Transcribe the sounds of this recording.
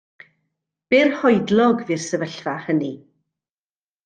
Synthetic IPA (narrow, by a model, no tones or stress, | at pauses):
b̥ɪːrhɔɨdlˠɔɡviːrsɛvəɬvahəni